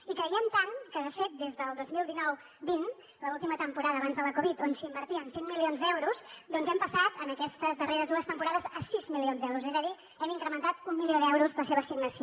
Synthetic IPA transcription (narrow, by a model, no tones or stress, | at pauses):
ikɾəiənt̪aŋkəðəfet̪̚d̪ezðəlˠd̪ozmilˠd̪inɔw | bin | ləulˠt̪imət̪əmpuɾaðəːβanzðələkuβit̪onsiimbəɾt̪iənsiŋmilionzd̪ɛwɾuzd̪ɔnzɛmpəsat̪ənəkɛst̪əzðəreɾəzðuəst̪əmpuɾaðəzəsizmilionzd̪ɛwɾuzɛzəði | ɛmiŋkɾəmənt̪at̪umːilioðɛwɾuzləseβəsiɡnəsio